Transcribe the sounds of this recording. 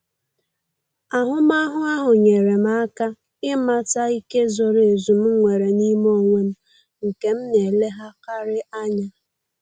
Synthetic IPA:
a˨ɦʊ˦ma˦ɦʊ˦a˦ɦʊ˨ɲe˨ɾe˨ma˦ka˦ | ɪ˦ma˦ta˦i˦ke˦zo˨ɾe˨e˨zu˨m̩˦ŋʷe˨ɾe˨ni˦mo˦˨ŋʷe˦m̩˦ | ŋ̩˨ke˨m̩˦ne˨le˦ɦa˦ka˦ɾɪ˦a˦ɲa˦

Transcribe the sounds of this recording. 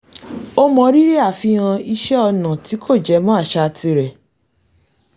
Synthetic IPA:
o˦mɔ̃˧ɾi˦ɾe˦a˦˨fĩ˧ã˧i˧ʃɛ˦ɔ˧nã˨ti˨˦kʰo˦˨d͡ʒɛ˨˦mɔ̃˦a˦˨ʃa˧ti˧ɾɛ˨

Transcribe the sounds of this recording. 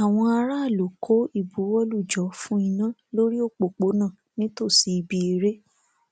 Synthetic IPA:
a˨w̃ɔ̃˧a˧ɾa˦˨lo˨kʰo˨˦i˦˨bu˨˦wɔ˦lu˦˨d͡ʒɔ˨˦fũ˦i˧nã˦˨lo˦ɾi˦o˦˨k͡po˨k͡po˨˦nã˦˨nĩ˦to˦˨si˨˧i˧bi˧e˨ɾe˦

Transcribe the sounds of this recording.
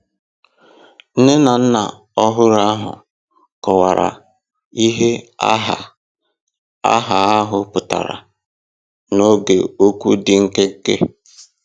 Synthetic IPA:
n̩˦nɪ˦na˨n̩˦na˨ | ɔ˦ɦʊ˦ɾa˦ɦʊ̰˨ | kɔ˨wa˨ɾa̰˨ | i˦ɦe˦a˦ɦa˨ | a̰˦ɦa˨a˦ɦʊ˦pʊ˨ta̰˨ɾa̰˨ | no˦ɡḛ˨o˦kʷu˦dɪ˨ŋ̩˦ke˦ŋ̩˦kḛ˦

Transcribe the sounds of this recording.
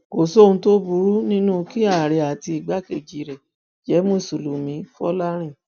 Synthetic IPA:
ɡ̥o˨so˦ũ˧to˦bu˧˦ɾu˦nĩ˦nũ˦˧ki˦a˦˨ɾɛ˨a˨ti˧i˨ɡ͡ba˨˦ke˨d͡ʒi˧˨ɾɛ˨ | d͡ʒɛ˨˦mo˦˨su˨lu˨mĩ˨˦fɔ˦la˦ɾ̃ĩ˦˨

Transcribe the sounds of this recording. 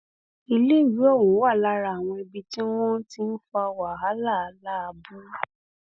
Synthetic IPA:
i˧le˦˨wi˨˦ɔ˦˨wũ˨˦wa˦˨la˦ɾa˧˨a˨w̃ɔ̃˧i˧bi˧ti˦w̃ɔ̃˦n̩˦ti˦n̩˦fɔ˦˧a˧wa˨ɦa˨˦la˦˨a˨˦la˦a˧bu˦

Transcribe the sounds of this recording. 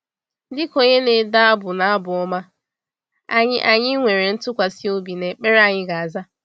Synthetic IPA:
dɪ˦ko˨ɲe˦ne˨da˦a˦bʊ˨na˨a˦bʊ˨ɔ˦ma˦ | a̰˦ɲɪ˦ʔa˨ɲɪ˦ŋʷe˨ɾe˨n̩˦tʊ˦kʷa˨si˦o˦bi˨ne˨k͡pe˦ɾa˦˨ɲɪ˦ɡa˨a˨za˦

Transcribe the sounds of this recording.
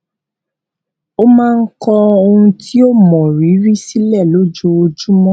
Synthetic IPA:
o˦mãː˦˧n̩˦kɔ˧o˧hũ˧tʰi˦o˦˨mɔ̃˨ɾi˨˦ɾi˦si˦lɛ˦˨lo˦d͡ʒo˧o˧d͡ʒu˦mɔ̃˦

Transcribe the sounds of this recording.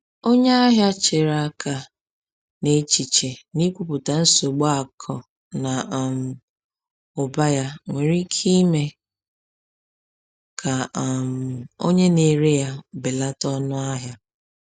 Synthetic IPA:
o˦ɲe˦a˦ɦja˦t͡ʃe˨ɾa˦kʰa˨ | ne˦t͡ʃi˨t͡ʃe˨ni˦kʷu˨pʊ˨ta˨n̩˦so˨ɡ͡ba˦a˨kʰɔ˨ | na˨m̩˨ | ʊ˨ba˦ja˦ŋʷe˨ɾi˦kʰi˦me˨ | kʰa˨m̩˨o˦ɲe˦ne˨ɾe˦ja˦bɪ˨la˦tɔ˦nʊ˦a˦ɦja˦

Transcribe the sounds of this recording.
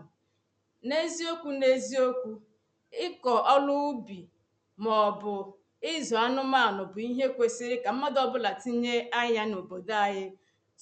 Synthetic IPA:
ne˦zi˦o˦kʷu˦ne˦zi˦o˦kʷu˦ | ɪ˦kɔ˨ʔɔ˦lʊ˦bi˨ | mɔ˨bʊ˨ | ɪ˦zɔ˨a˦nʊ˦ma˦˨nʊ˨bʊ˨i˦ɦe˦kʷe˨si˦ɾɪ˦ka˨m̩˦ma˦dɔ˦bʊ˦la˨ti˦ɲe˦a˦ɲa˦no˨bo˨da˦ɦɪ˦

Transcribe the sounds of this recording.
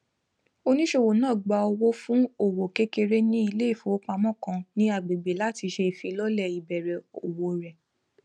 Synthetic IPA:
o˧nĩ˦ʃo˦˨wo˨nãː˦˨ɡ͡ba˧o˧wo˦fũ˦o˦˨wo˨ke˦ke˧ɾe˦nĩ˦i˦˧le˦i˦˨fo˨˦k͡pa˧mɔ̃˦˨kã˧nĩ˦a˦˨ɡ͡be˨ɡ͡be˨la˦ti˧ʃe˧˨fĩ˧lɔ˦lɛ˦˨i˨bɛ˨ɾɛ˨o˨wo˨ɾɛ˨

